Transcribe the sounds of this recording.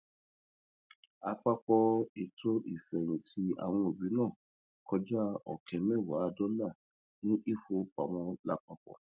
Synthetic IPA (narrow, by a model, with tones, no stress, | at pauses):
a˧k͡pa˧k͡pɔ˧i˨tʰo˦ʔi˦˨fɛ˨ɾ̃ĩ˨ti˦a̰˨w̃ɔ̃˧o˨bi˨˦nãː˦˨ | kʰɔ˧d͡ʒa˦ɔ̰˨kʰɛ˨mɛ̃˦˨wa˨˦˧dɔ˦la˦˨ | nĩ˦ʔi˦˨fo˧˦k͡pa̰˨w̃ɔ̃˧la˦˨k͡pa˧k͡pɔ̰˧